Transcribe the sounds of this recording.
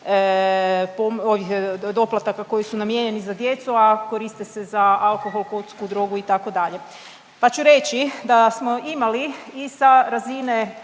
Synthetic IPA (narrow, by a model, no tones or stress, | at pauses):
pomoʋixd̪o̞plˠat̪akako̞jisunamjeɲe̞nizad̪je̞t̪suako̞ɾist̪ese̞zaalkoxo̞lˠkot̪skud̪ɾo̞ɡuit̪ako̞d̪aʎe̞ | pat͡ʃuɾe̞t͡ɕid̪asmoimaliisaɾazine